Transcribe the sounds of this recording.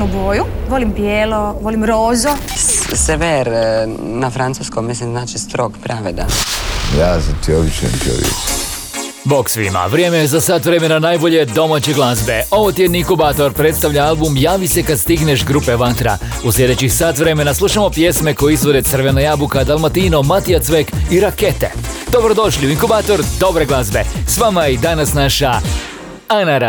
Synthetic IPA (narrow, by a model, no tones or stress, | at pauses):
nuboːjuʋolimbjeːloʋolimɾoːzoseʋeɾnafɾant̪uskommislimznaːt͡ʃist̪ɾokpɾaʋed̪a̰jaːzat̪ʰiobit͡ʃḛnt̪o̰lḭ | bo̞ksʋḭma̰ʋɾjeːmejezasaːt̪ʋɾe̞me̞nanaːjbo̞ʎe̞d̪o̞maːt͡ɕeɡlˠazbe̞o̞ʋojt̪jed̪niiŋkubaːt̪o̞ɾpɾet̪st̪aʋʎaalˠbumjaːʋise̞kad̪st̪iɡne̞ʃɡɾupe̞ʋat̪ɾa̰ | uslʲʎʲe̞d̪et͡ɕixsaːt̪ʋɾe̞me̞naslˠuːʃamo̞pje̞sme̞ko̞jeizʋo̞d̪et̪sr̩ʋenajabukad̪alˠmat̪ino̞mat̪ijat̪sʋekiɾake̞t̪ḛd̪o̞bɾo̞d̪o̞ʃliuiŋkubaːt̪o̞ɾd̪o̞bɾeɡlˠazbḛsʋamaid̪anasnaʃa | anaɾa